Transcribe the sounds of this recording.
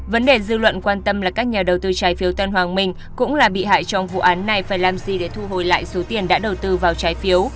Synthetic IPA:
və˨˦nɗe˨˩zɨ˧lwə̰˧˨nkwaː˧nt̪ə˧mlaː˨˩kaː˦˥k̚ɲaː˨˩ɗə˨˩wt̪ɨ˧t͡ɕaː˨˦jfi˨˦əwt̪ə˧nɦwaː˨˩ŋmï˧˩ŋ̟ | kʊ̰˧˥ŋ͡mlaː˨˩ɓḭ˧˨ɦa̰ː˧˨jt͡ɕɔ˧wŋ͡mvṵ˧˨ʔaː˨˦nːa˨˩jfaː˧˩jlaː˨˩mzi˨˩ɗe˧˨˩t̪ʰu˧ɦo˨˩jla̰ː˧˨jso˨˦t̪i˨˩ənɗa̰ː˧˥ɗə˨˩wt̪ɨ˧vaː˨˩wt͡ɕaː˨˦jfi˨˦əw

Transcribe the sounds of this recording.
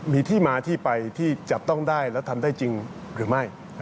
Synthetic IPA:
miː˧t̪ʰiː˥˩maː˧t̪ʰiː˥˩pa˧jt̪ʰiː˥˩t͡ɕa˨˩p̚t̪ɔ˥˩ŋdaː˥˩jlɛː˦˥wt̪ʰa˧mdaː˥˩jt͡ɕi˧ŋ | ɾɯː˩˦ma˥˩j

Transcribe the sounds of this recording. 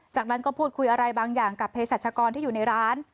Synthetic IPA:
t͡ɕaː˨˩k̚na˦˥nkɔː˥˩pʰuː˥˩t̪̚kʰu˧jʔa˧ɾa˧jbaː˧ŋjaː˨˩ŋka˨˩pʰeː˧saː˨˩t̪̚t͡ɕʰaː˧kɔː˧nt̪ʰiː˥˩juː˨˩na˧jɾaː˦˥n

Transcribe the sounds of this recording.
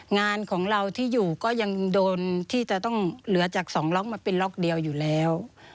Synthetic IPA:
ŋaː˧nkʰɔː˩˦ŋɾa˧wt̪ʰiː˥˩juː˨˩kɔː˥˩ja˧ŋdoː˧nt̪ʰiː˥˩t͡ɕa˨˩t̪ɔ˥˩ŋlɯ˨˩˦ɐt͡ɕaː˨˩k̚sɔː˩˦ŋlɔː˦˥k̚maː˧pe˧nlɔː˦˥˩k̚di˧əwjuː˨˩lɛː˦˥w

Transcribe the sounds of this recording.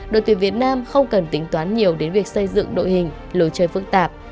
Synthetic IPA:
ɗo̰˧˨t̪wi˨˩vi˨˩ət̚naː˧mxə˧wŋ͡mkə˨˩nt̪ï˨˦ŋ̟t̪waː˨˦nɲi˨˩əwɗe˨˦nvi˨˩ək̚sə˧jzɨ̰˧˨ŋɗo̰˧˨jhï˨˩ŋ̟ | lo˨˦jt͡ɕəː˨˩jfɨ˦˥k̚t̪aː˨˩p̚

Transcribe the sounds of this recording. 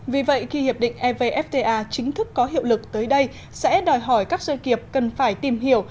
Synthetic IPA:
vi˨˩və̰˧˨jxi˧hi˨˩əp̚ɗḭ̈˧˨ŋ̟ʔɛ˧ve˧ʔɛ˦˥p̚t̪e˧ʔaː˧t͡ɕï˨˦ŋ̟t̪ʰɨ˦˥kːɔ˨˦ɦḭ˧˨əwlɨ˨˩k̚t̪əː˨˦jɗə˧j | sɛ̰˧˥ɗɔ˨˩jɦɔ˧˩jkaː˦˥k̚zə˧jki˨˩əp̚kə˨˩nfaː˧˩jt̪i˨˩mhi˧˩əw

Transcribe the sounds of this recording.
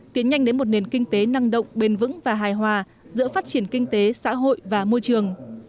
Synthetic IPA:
t̪i˨˦ənɲa˧jŋ̟ɗe˨˦nmo˨˩t̚ne˨˩nkï˧ŋ̟t̪e˨˦na˧ŋɗə̰˧˨wŋ͡mɓe˧˩nvɨ̰˧˥ŋvaː˨˩ɦaː˨˩jɦwaː˨˩ | zɨ̰˧˥əfaː˦˥t̚t͡ɕi˧˩ənkï˧ŋ̟t̪e˨˦sa̰ː˧˥ɦo̰˧˨jvaː˨˩mo˧jt͡ɕɨ˨˩əŋ

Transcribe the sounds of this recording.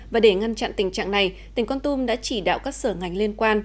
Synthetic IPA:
vaː˨˩ɗe˧˩ŋa˧nt͡ɕa̰˧˨nt̪ï˨˩ŋ̟t͡ɕa̰ː˧˨ŋna˨˩jt̪ï˨˩ŋ̟kɔ˧nt̪u˧mɗa̰ː˧˥t͡ɕi˧˩ɗa̰ː˧˨wkaː˦˥k̚səː˧˩ŋa˨˩jŋ̟li˧ənkwaː˧n

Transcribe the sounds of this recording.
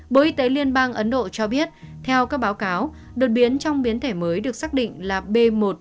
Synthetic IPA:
ɓo˨˩ʔi˧t̪e˨˦li˧ənɓaː˧ŋʔə˨˦nɗo̰˧˨t͡ɕɔ˧ɓi˦˥ət̚t̪ʰɛ˧wkaː˦˥k̚ɓaː˨˦wkaː˨˦w | ɗo˨˩t̚ɓi˨˦ənt͡ɕɔ˧wŋ͡mɓi˨˦ənt̪ʰe˧˩məː˨˦jɗɨ˨˩ək̚saː˦˥k̚ɗḭ˧˨ŋ̟laː˨˩ɓe˧mo˨˩t̚

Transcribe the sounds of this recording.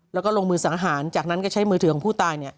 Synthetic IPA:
lɛ˦˥kɔː˥˩lo˧ŋmɯː˧sa˩˦ŋɦaː˩˦nt͡ɕaː˨˩k̚na˦˥nkɔ˥˩t͡ɕʰa˦˥jmɯː˧t̪ʰkɔ˨˦pʰuː˥˩t̪aː˧jni˥˩ɐ

